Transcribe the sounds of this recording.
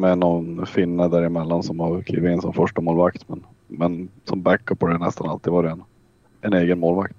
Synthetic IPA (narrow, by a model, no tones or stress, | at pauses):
mɛnɔnfɪnːad̪æɾɪmɛlːansɔmhaɾk̪ʰḭːvɪt̪ɪnsɔmfœʂʈamoːlvak̚t̪mɛn | mɛnsɔmbækːəphɔɖ̪ɛnɛ̰st̪analt̪id̪vɑːɾɛɛn | ʔɛneːɡənmoːlvakt̪